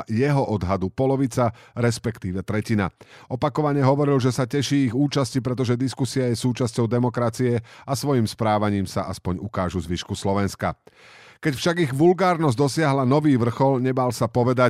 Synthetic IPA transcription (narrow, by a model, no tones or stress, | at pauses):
jɛɦɔʔɔd̪ɦad̪upɔlɔʋit͡saɾɛspɛkt̪iːʋɛt̪ɾɛcina̰ʔɔpakɔʋaɲɛɦɔʋɔɾilʒɛsacɛʃiːiɣuːt͡ʃascipɾɛt̪̬ɔʒɛd̪iskusiajɛsuːt͡ʃascɔʊd̪ɛmɔkɾat͡siɛasʋɔjimspɾaːʋaɲiːmsaʔaspɔɲukaːʒuzʋiʃkuslɔʋɛnska̰ | kɛcfʃaɡiɣʋulɡaːɾnɔzd̪ɔsɪaɦlanɔʋiːʋr̩xɔlɲɛbalsapɔʋɛd̪a